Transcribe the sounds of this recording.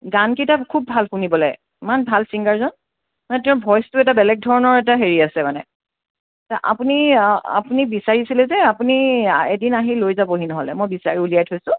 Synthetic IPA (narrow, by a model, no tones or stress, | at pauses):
ɡankitakʰub̚ːʱalxunibɔlɔj | imanbʱalsiŋɡaɹzɔn | manɛtɛ̃ʊ̃bʱɔjstuɛtabɛlɛk̚dʱɔɹɔnɔɹɛtaɦeɹiasɛmanɛ̰ | tɔʔa̰punia̰punibisaɹisilɛzɛapuniedinaɦilojzaboɦinɔɦɔlɛ̰mojbisa̰ɹiuliajtʰojsʊ̃